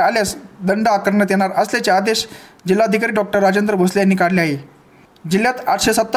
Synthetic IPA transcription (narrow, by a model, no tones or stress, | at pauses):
aljasd̪əɳɖaːkəɾɳət̪jeɽ̃aɾəslet͡ɕead̪eɕd͡ʑilːaəd̪ʱikaɾiːɖɔk̚ʈəɾːad͡ʑənd̪ɾəbʱoslejanːiːkaɽleaɦe | d͡ʑiljat̪aʈʰɕesət̪ː